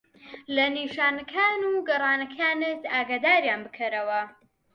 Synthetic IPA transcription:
lɐniʃaːnɐkʰaːnuɡɐrˤɑːnɐkʰaːnɨtaːɡaːd̪aːɾjaːnbɨkʰɐɾɐwɐ

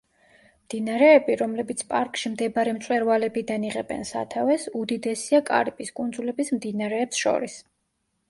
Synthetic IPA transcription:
md̪̥inaɾɛːbiɾɔmlɛbit̪sʰpʼaɾkʼʃimd̪ɛbaɾɛmt̪sʼwɛɾvalɛbid̪aniʁɛbɛ̰nsa̰t̪ʰavɛsud̪id̪ɛsiakʼa̰ɾipʼiskʼund̪zulɛbismd̪inaɾɛːpsʃɔ̰ɾis

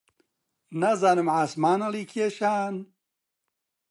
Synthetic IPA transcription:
nɐzaːnɨmʕaːsmaːnɐliːkʰeːʃaːn

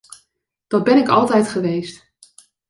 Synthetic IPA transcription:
d̥ɑd̚bɛnɪkɑlˠtɛjtχəʋejst

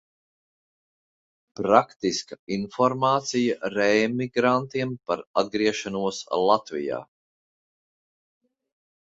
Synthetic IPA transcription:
pɾakt̪iskainfɔɾmaːt̪sijaɾɛjmiɡɾant̪iɛmpaɾad̪̚ɡɾiɛʃanuɔslˠat̪vḭja̰ː

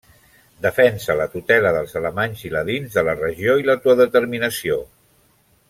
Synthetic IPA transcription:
d̪əfɛnsələt̪ut̪ɛləðəlˠzələmaɲziləðinzðələrəʒioilət̪uəðət̪əɾminəsio

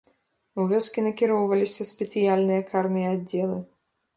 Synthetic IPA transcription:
uvʲɔskʲinɐkʲiɾɔwvɐlʲisʲɐspʲɛt̪sɨjalʲnɨjɐkarmʲijɐadd͡zʲːɛlˠɨ

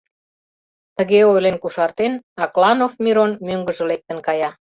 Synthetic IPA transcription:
t̪əɣeojlenkuʃɑrt̪enɑklɑnofmʲiɾonmøŋɡəʒə̆lek̚t̪ənkɑjɑ

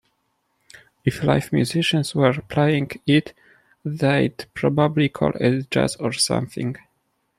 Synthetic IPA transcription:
iflajfmjuziʃə̃nswɛɹpʰlejĩŋɡit̪ | ðejd̪pɹɔbablikʰɔ̰lɛtd͡ʒa̰sɔɹsã̰mθɪ̰̃ŋɡ

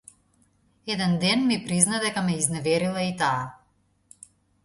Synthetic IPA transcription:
ɛd̪ɛnd̪ɛnmipɾiznad̪ɛkamɛiznɛvɛɾilˠait̪aː

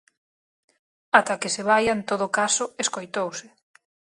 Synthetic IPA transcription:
at̪akeseβ̞ajaent̪oð̞okasʊeskojt̪owsɪ

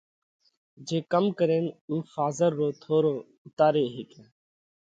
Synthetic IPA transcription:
d͡ʒeːkəmkəɾẽːnuːfaːzəɾːoːt̪ʰoːɾoː | ʊt̪aːɾeːɦeːkeː

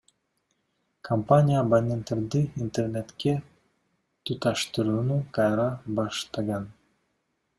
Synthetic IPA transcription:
kʰɐmpanʲɪjaːbanʲent̪eɾd̪ɯint̪ernet̪ke | t̪ut̪ɑʃt̪ɯɾuːnukajɾɑbɑʃt̪ɑɣɑn

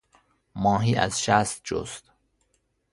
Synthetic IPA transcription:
mɒːɦiːʔæ̰zʃæst̪̚d͡ʒo̰st̪

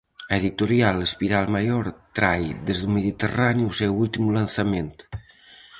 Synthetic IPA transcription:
eðit̪uɾialespiɾalˠmajoɾt̪ɾajðezðumeðit̪eraniusɛwulˠt̪imlansament̪

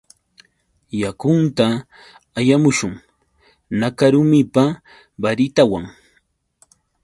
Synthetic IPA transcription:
jakʊnt̪a | ajamʊʃʊŋ | nakaɾʊmɪpa | baɾɪt̪awaŋ

